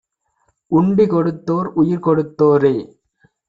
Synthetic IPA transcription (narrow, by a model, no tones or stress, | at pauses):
ʊɳbikɔɽɯt̪ːoːɾʊjɪɾkɔɽɯt̪ːoːɾeː